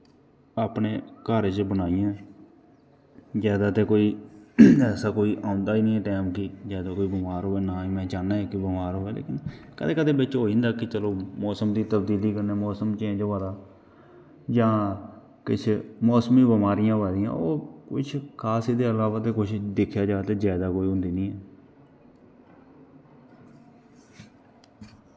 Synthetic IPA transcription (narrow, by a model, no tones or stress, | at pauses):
aːpneːkaːɾd͡ʒbənaːijãː | zjaːd̪aːt̪eːkoːiː | ɛːsaːkoːiːʔaːʊnd̪aːiːnĩːɛ̃ːʈɛːmkɪzjaːd̪aːkoːiːbɪmaːɾɦoːɛːnaːimɛ̃ːt͡ʃaːnaːeːkɪbɪmaːɾɦoːɛːlḛːkɪnkəd̪eːkəd̪eːbɪt͡ʃɦoːd͡ʒɪ̃nd̪aːkɪt͡ʃəloːmɔːsəmd̪iːt̪əbd̪iːliːkəɾneːmɔːsəmt͡ʃẽːd͡ʒoʋaːd̪aː | d͡ʒãː | kɪt͡ʃʰmɔːsmĩːbɪmaːɾɪjãːbaːɾɪjã̰ːoːkʊ̰t͡ʃʰkʰaːsid̪eːəlaːʋaːt̪eːkʊt͡ʃʰd̪ɪkʰːjaːd͡ʒaːt̪eːzaːd̪aːkoːiːɦʊ̃nd̪iːnĩːɛː